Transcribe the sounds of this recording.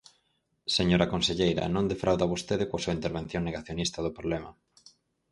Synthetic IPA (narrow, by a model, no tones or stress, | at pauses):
seɲoɾakonseʎejɾɐ̰nõnd̪efɾawðaβost̪eðɪkwasuaint̪eɾβ̞enθjoŋneɣaθjonist̪ɐðʊpɾoβlɛma